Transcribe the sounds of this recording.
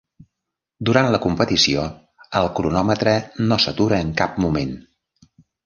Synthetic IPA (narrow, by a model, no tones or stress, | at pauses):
d̪uɾant̪ləkumpət̪isio | əlˠkɾunɔmət̪ɾənosət̪uɾəːŋkap̚mumen